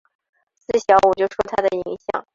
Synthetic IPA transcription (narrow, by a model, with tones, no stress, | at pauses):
sɹ̩˥˩ɕjɑ˧˥ʊwɔ˨˩t͡ɕjo˥˩ʊʂwɔ˥t̪ʰa˥d̪ə˨i˧˥ŋɕjɑ̰˨˩˦ŋ